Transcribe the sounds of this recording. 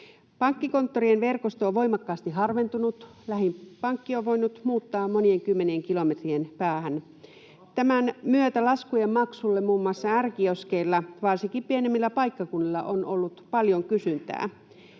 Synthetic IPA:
pɑŋkːiko̞nt̪ːorienʋerkost̪ooʋʋo̞imɑkːɑːst̪iɦɑrʋent̪unut̪ | læhimpɑŋkːioʋʋo̞inːut̪muːt̪ːɑːmmonieŋkymːenieŋkilomet̪rienpæːhæn | t̪æmænmyøt̪ælɑskujemmɑksulːemmuːmːuɑsːɑærkioskeilːɑʋɑrsikːimpienemːilːæpɑikːɑkunːilːɑʔonolːut̪pɑljoŋkysynt̪æ̰ː

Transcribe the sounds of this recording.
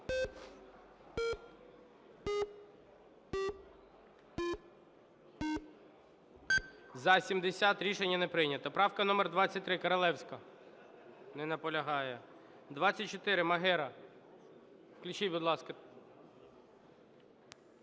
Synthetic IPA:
zɐsʲimd̪esʲat̪ɾʲiʃenʲːɐnɛpɾɪjnʲɐt̪ɔpɾɑwkɐnɔmerd̪ʋɑt͡sʲːɐt̚ʲt̪ːɾɪkɐɾɐlˠɛwsʲkɐ | nɛnɐpɔlʲɐɦɑjɛ | d̪ʋɑt͡sʲːɐt̚ʲt͡ʃɔt̪ɪɾɪmɐɦɛɾɐ | klʲʊt͡ʃijʲbʊd̪lˠɑskɐ

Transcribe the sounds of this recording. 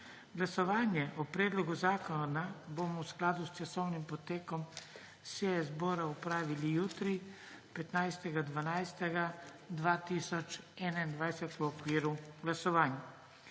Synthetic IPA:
ɡlasɔʋaːnjɛʔɔpɾɛːd̪lɔɡuzaːkɔnabomɔwsklaːd̪ust͡ʃasɔwnimpɔt̪eːkɔm | seɛzbɔːɾaupɾaːʋilijuːt̪ɾi | pɛt̪najst̪ɛɡad̪ʋanajst̪ɛɡa | d̪ʋaːt̪isɔt͡ʃɛnaind̪ʋajsɛt̪uɔkʋiːɾuɡlasɔʋaːnja

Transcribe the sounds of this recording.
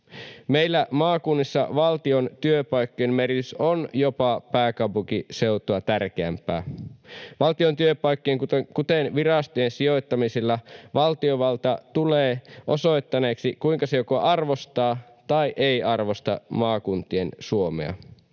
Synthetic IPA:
mejlːæmɑːkunːisːɑ̰ʋɑlt̪iont̪yøpɑjkːojemmerit̪ysonjopɑpæːkɑpukiseut̪oɑt̪ærk̟eæ̰mpæ̰ː | ʋɑlt̪iont̪yøpɑjkːijeŋkut̪enʋirɑst̪oensio̞jt̪ːɑmiselːɑʋɑlt̪ioʋɑlt̪ɑt̪uleːʔosojt̪ːɑne̞ːksikuiŋkɑsejokoʔɑrʋost̪ɑː | t̪ɑiʔeiɑrʋo̞st̪ɑ̰mɑːkunt̪iensuomḛɑ̰

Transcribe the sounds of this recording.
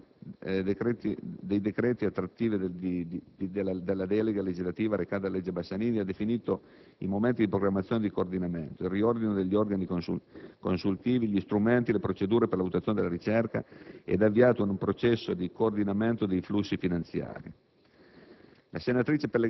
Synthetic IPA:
d̪ekɾɛt̪id̪ejd̪ekɾɛːt̪iat̪ːɾat̪ːiːvid̪elad̪elːad̪ɛleɡaled͡ʒizlat̪iːvaɾekaːt̪alːed͡ʒːebasːaniːd̪iad̪efiniːt̪o | imoment̪id̪ipɾoɡɾamːat̪sjoːned̪ikoːrd̪inament̪oilriord̪inod̪eʎːiorɡanikoukonsult̪iːviʎist̪ɾument̪ilepɾot͡ʃed̪uːɾeperlavut̪at̪joned̪elaɾit͡ʃɛrka̰ɛ̰d̪avːiaːt̪oinumpɾot͡ʃɛsːod̪ikoːrd̪inament̪od̪ejflusːifinant̪sja̰ːɾḭ | lasenat̪ɾiːt͡ʃepele

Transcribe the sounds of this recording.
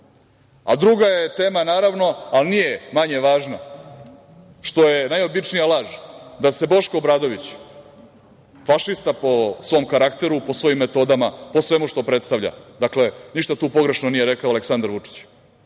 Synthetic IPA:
a̰d̪ɾuɡaje̞t̪e̞ːmanaːɾaʋno̞alnije̞maɲe̞ʋaːʒna | ʃt̪o̞jenajo̞bit͡ʂnijalˠaʒd̪ase̞bo̞ʃkoːbɾaːd̪o̞ʋit͡ɕ | faʃist̪apo̞sʋo̞mkaɾakt̪e̞ɾupo̞sʋo̞jimːet̪o̞d̪amapo̞sʋe̞muʂt̪o̞pɾet̪st̪aʋʎa̰d̪akle̞niʃt̪at̪uːpo̞ɡɾe̞ʃnonijeɾekaoaleksand̪aɾʋut͡ʂi̥t͡ɕ

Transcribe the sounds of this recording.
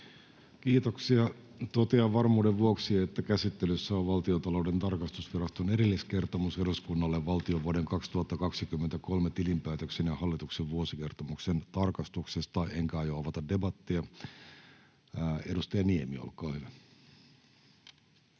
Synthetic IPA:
kiːt̪oksiɑ | t̪ot̪eɑʋɑrmuːdeʋʋuoksiet̪ːækæsit̪ːelysːæoʋʋɑlt̪iot̪ɑlo̞ude̞nt̪ɑrkɑst̪usʋirɑst̪oneɾilːiske̞rt̪omuseluskunːɑlːeʋʋɑlt̪io̞ʋʋuoɾe̞ŋkɑkst̪uhɑt̪ːɑkɑksikymːent̪æko̞lmet̪ilimpæːt̪øksenjɑhɑlːit̪ukseʋʋuosike̞rt̪omuksent̪ɑrkɑst̪uksest̪ɑiʔeŋkæɑjoɑʋɑt̪ɑdde̞bɑt̪ːiɑ | edust̪ɑjɑniemio̰lkɑːhyʋæ

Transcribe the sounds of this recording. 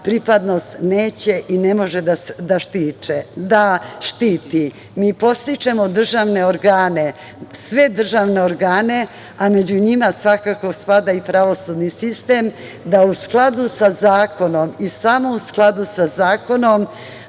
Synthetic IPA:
pɾipad̪no̞st̪ne̞ːt͡ɕe̞ʔine̞mo̞ʒed̪ad̪aʃt̪iːt͡ʃed̪aʃt̪iːt̪i | miːpo̞st̪it͡ʃemod̪r̩ʒaʋne̞oɾɡaːne̞ | sʋe̞d̪r̩ʒaʋne̞oɾɡaːne̞ | ame̞d͡ʑuɲimasʋakako̞spad̪aipɾaʋo̞sud̪nisist̪e̞ːm | d̪ausklˠad̪usazaːko̞no̞misamo̞usklˠad̪usazaːko̞nom

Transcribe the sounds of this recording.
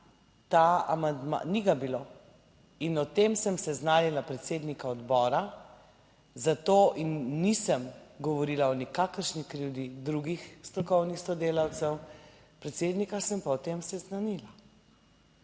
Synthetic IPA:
t̪aamand̪ma̰niɡabilo | inɔt̪emsəmsɛznaːnilapɾɛt̪seːd̪nikaɔd̪bɔːɾa | zat̪oːʔinːisəmɡɔʋɔɾiːlaɔnikaːkəɾʃnikɾuwd̪id̪ɾuɡixst̪ɾɔkɔwnixsɔd̪eːlawt̪sɛw | pɾɛt̪seːd̪nikasəmpaɔt̪emsɛznanila

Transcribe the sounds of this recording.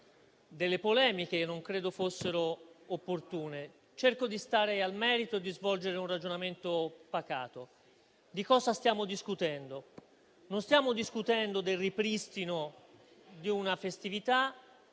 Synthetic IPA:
d̪elːepolɛːmikenːoŋkɾeːd̪ofosːeɾoːpːort̪uːne | t͡ʃerkod̪ist̪aːɾealmɛːɾit̪oed̪izvɔld͡ʒeɾeunrad͡ʒonament̪opaka̰ːt̪o | d̪ikɔːzast̪jaːmod̪iskut̪ɛnd̪o | nonst̪jaːmod̪iskut̪ɛnd̪od̪elripɾist̪ino | d̪iunafest̪ivit̪a

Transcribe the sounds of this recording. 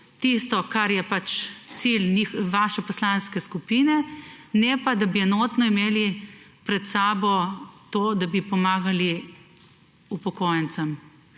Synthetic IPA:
t̪ist̪ɔkaɾjɛpat͡ʃt̪silnixʋaːʃɛpɔslanskɛskupinɛnɛpad̪abiɛnoːt̪nɔimeːli | pɾɛt̪saːbɔt̪oːd̪abipɔmaːɡali | upɔkoːjɛnt̪sɐm

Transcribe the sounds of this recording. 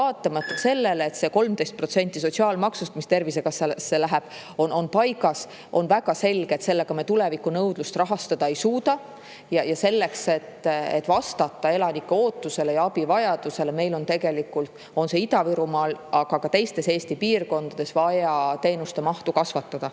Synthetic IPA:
vɑːt̪ːˑɑmɑt̪ːˑɑse̞lːe̞leːt̪se̞ko̞lmt̪e̞jst̪̚prot̪se̞nʲt̪ːˑis̬o̞t̪ʲsiɑːlmɑksust̪ɑmist̪e̞rvisekɑsesːelæɦeb̥ | o̞nonpɑjɡɑs | ʔo̞nvæɡ̥ɑse̞lɡ̥eet̪se̞lːeɡ̥ɑmet̪ulevikːˑunɤwd̪̥lust̪rɑɦɑst̪ɑd̪̥ɑe̞jsuːd̪ɑ | jɑjɑse̞lːe̞kse̞t̪ːḛt̪ːˑvɑst̪ɑt̪ːˑɑe̞lɑnikːe̞o̞ːt̪ːˑuse̞le̞jɑɑbivɑjɑd̪̥use̞le̞me̞jlo̞nt̪e̞ɡe̞likːult̪ | o̞nse̞id̪ɑviɾumɑːlɑɡ̥ɑkɑt̪e̞jst̪e̞se̞ːst̪ipiːrko̞nd̪̥ɑd̪̥e̞svɑjɑt̪e̞ːnust̪e̞mɑht̪ukɑsvɑt̪ːɑd̪̥ɑ

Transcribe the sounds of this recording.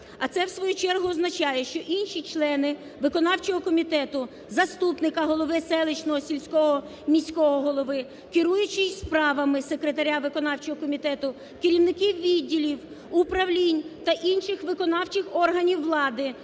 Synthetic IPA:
ɐt̪sɛwsʋɔjut͡ʃɛrɦʊɔznɐt͡ʃɑjɛʃt͡ʃɔʔinʃit͡ʃlˠɛnɪ | ʋɪkɔnɑwt͡ʃɔɦɔkɔmʲit̪ɛt̪ʊ | zɐst̪upnɪkɐɦɔlˠɔʋɪsɛlˠɪt͡ʃnɔɦɔsʲilʲsʲkɔɦɔ | mʲisʲkɔɦɔɦɔlˠɔʋɪ | kɪɾujʊt͡ʃɪspɾɑʋɐmɪsekɾet̪ɐɾʲaʋɪkɔnɑwt͡ʃɔɦɔkɔmʲit̪ɛt̪ʊ | kɪɾʲiwnɪkiwʋʲidʲːilʲiw | ʊpɾɐwlʲinʲt̪ɐʔinʃɪxʋɪkɔnɑwt͡ʃɪxɔrɦɐnʲiwːlˠɑd̪ɪ

